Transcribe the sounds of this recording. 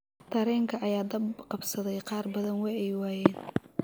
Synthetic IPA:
t̪ʰɐɾɛːŋkʰɐʔɐjaːd̪ɐbqɑbsɐðɛjqɑːrbɐðɐnwɑħɛjwɑːjɛːn

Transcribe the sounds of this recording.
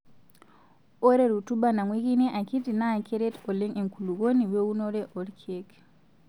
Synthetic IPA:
ɔɾɛɾutubanaŋwekinɛʔakitinakɛɾetɔlɛŋɛŋkuluɡoniwɛunɔɾɛʔɔɾkʰek

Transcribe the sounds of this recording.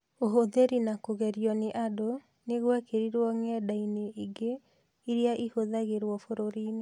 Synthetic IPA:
oɦoðeɾinakoɣɛɾijɔneʔado | neɣwɛkeɾiɾwɔŋɛdaineʔiɡe | iɾjaʔihoðaɣeɾwɔfoɾoɾiːne

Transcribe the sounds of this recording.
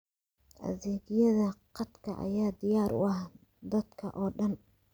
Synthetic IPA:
ʔɐ̰ðɛːɣɪjɐðɐqɑt̪kʰɐʔɐ̰jaːd̪ɪjaːɾʊ̰ɑh | d̪ɐd̪kʰɐʔɔːɖɐn

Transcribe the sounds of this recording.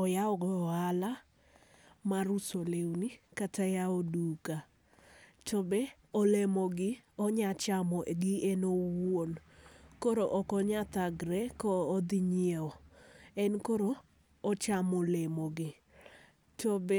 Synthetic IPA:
ɔjaɔɡɔala | maɾusolewnikatajaoduka | tɔbe | ɔlemɔɡɪɔɲat͡ʃamɔʔɡɪenowonkoɾoʔɔkɔɲat̪aɡɾɛkɔːd̪ɪɲɪeɔɛnkoɾoː | t͡ʃamɔlemoɡɪ | tɔbe

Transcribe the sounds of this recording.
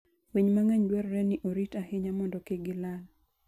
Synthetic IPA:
wiɲmaŋɛɲdwɛɾɾɛnɪʔoɾitahɪɲamɔndɔkɪɡɪlal

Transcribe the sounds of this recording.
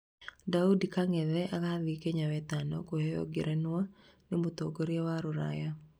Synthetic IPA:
daudikaŋɛðɛʔaɣaðikeɲawɛt̪anɔkohɛjɔ̰ɡɪɾʔɛnwa | nɪmut̪oɡoɾjewaɾʊɾa̰ja

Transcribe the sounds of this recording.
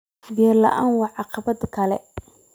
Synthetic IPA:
bɛrlɐ̰ʔaːnwɑʕɑqɑbɐd̪kʰɐlɛ̰

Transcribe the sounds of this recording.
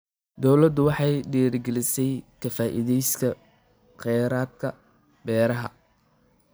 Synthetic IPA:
d̪ɔwlɐd̪ʊwɑħɑjɖɛːrɡɛlɪsɛjkʰɐfaːʔɪ̰ðɛjskʰɐ | qɛːɾaːd̪kʰɐ | bɛːɾɐɦɐ̰

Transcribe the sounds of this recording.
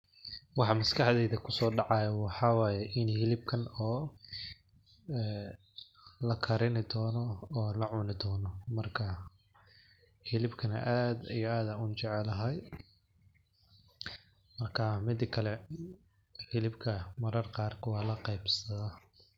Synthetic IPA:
wɑħɑmɐskʰɑħðɛːðɐkʰʊsɔːɖɑʕɑjɐwɑħɑwɑːjɛʔɪnhɪlɪb̚kʰɐnɔː | ɛː | lɐkʰɐɾɪnɪd̪ɔːnɔɔːlɐʕʊnɪd̪ɔːnɔmɐrkʰɐ | hɪlɪbkʰɐnɐ̰ʔaːd̪ijɔaːd̪aʊt͡ʃɛʕɛlɐɦɐj | mɐrkʰɐmɪd̪ɪkʰɐlɛ | hɪlɪbkʰɐmɐɾɐrqɑːrkʰʊwɑːlɐqɑjbsɐða

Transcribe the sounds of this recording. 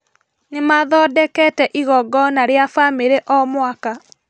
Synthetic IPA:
nemaðɔdɛkɛtɛʔiɣɔɡɔnaɾjafamiɾeʔɔmwaka

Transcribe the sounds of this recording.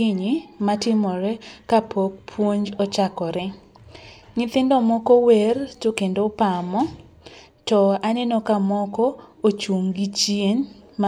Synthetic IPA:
ɪɲimatɪmɔɾɛkapʰok̚pʰwoɲd͡ʒɔt͡ʃakɔɾɛ | ŋɪt̪ɪndɔmɔkɔwɛrtokendopamɔ | tɔanɛnokamɔkɔot͡ʃuŋɡit͡ʃjenm

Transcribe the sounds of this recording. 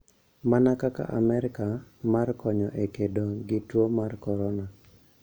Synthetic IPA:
manakaka̰ʔa̰mɛɾɪkamarkɔɲɔʔekedoɡɪtwomarkɔɾɔna

